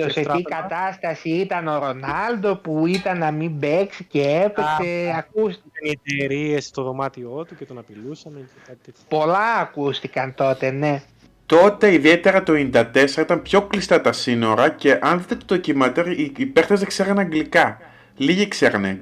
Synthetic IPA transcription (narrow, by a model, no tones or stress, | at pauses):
t̪oseikɐt̪ɐst̪ɐsiit̪ɐno̞ɾo̞nɐld̪o̞puit̪ɐnːɐmimbeksiceepeseɐkust̪ikɐiet̪eɾiest̪oðo̞mɐt̪io̞t̪ucet̪onɐpilusɐme | po̞lɐːkust̪ikɐnt̪o̞t̪e̞ne̞ | t̪o̞t̪e̞iðie̞t̪e̞ɾɐt̪o̞ind̪ɐt̪e̞seɐit̪ɐmpço̞klist̪ɐt̪ɐsino̞ɾɐce̞ʔɐnðit̪et̪oðocimɐt̪eɾiipeɾt̪ezðekseɾɐnɐŋɡlikɐ | liʝekseɾɐnḛ